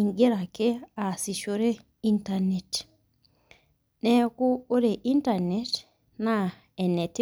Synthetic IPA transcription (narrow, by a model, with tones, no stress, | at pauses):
iŋɡe˦ɾa˨ke˦a˨si˨ʃo˦ɾe˦ | intane˨ti̥ | neku˦o˦ɾe˨ʔi˦ntanet | na | e˨ne˨t